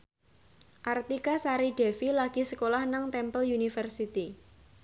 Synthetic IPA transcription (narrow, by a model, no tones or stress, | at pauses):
ʔart̪ikasaɾiɖ̥ɛfilaɡ̥i̤səkolahnəŋt̪ɛmpəljunifərsit̪i